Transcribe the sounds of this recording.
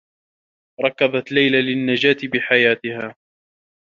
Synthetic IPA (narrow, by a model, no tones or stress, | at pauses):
ɾˤɑkːaðat̪lajlalɪnːad͡ʒaːt̪ɪbɪħajaːt̪ɪhaː